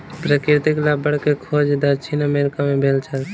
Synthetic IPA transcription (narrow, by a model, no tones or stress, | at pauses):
pɾəkɪɾt̪iklabəɽkekʰod͡ʒd̪əɾt͡ʃʰinəmeɾɪkamẽbʱeːlt͡ʃʰəl